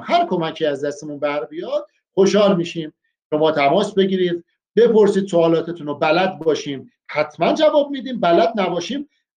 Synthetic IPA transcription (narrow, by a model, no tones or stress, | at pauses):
mhæɾkʰo̞mækʰiːæzd̪æst̪emunbæɾbijɒːd̪̥̚ | xo̞ʃhɒːlmiːʃiːm | ʃo̞mɒːt̪ʰæmɒːsbe̞ɟiːɾiːd̪ | be̞pʰo̞ɾsiːd̪soɒːlɒːt̪ʰet̪ʰunobælæd̪̚bɒːʃiːm | hæt̪ʰmænd͡ʒævɒːb̚miːd̪iːmbælæd̪̚næbɒːʃiːm